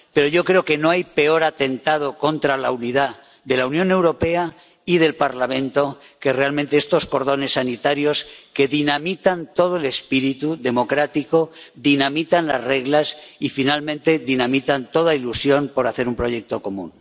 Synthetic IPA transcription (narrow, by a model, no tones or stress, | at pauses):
pe̞ɾoʝo̞kɾe̞oke̞no̞ajpe̞o̞ɾat̪e̞nt̪að̞o̞ko̞nt̪ɾalauniða | ðe̞launjõ̞ne̞wɾo̞pe̞a | ið̞e̞lpaɾlamẽ̞nt̪o̞ke̞re̞almẽnt̪eest̪o̞sko̞ɾð̞o̞ne̞sːanit̪aɾjo̞ske̞ðinamit̪ant̪o̞ð̞oe̞le̞spiɾit̪uðe̞mo̞kɾat̪ikoðinamit̪anla̰zre̞ɣlasifinalmẽnt̪e̞ðinamit̪ant̪o̞ð̞ailusjo̞npo̞ɾaθe̞ɾumpɾo̞je̞k̚t̪o̞ko̞mũn